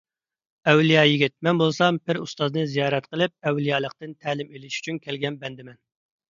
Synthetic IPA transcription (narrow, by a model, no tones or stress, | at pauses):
ɛwlijɑːjiɡʲit̪̚mɛnbolˠsɑmpɪɾust̪ɑznɨzijɑːɾɛt̪qəlˠɪp̚ɛwlijɑːlˠəq̚t̪ɨnt̪ʰæːlɪmelɪʃy̥t͡ʃʰynkʲʰælɡʲɛnbɛnd̪ɪmɛn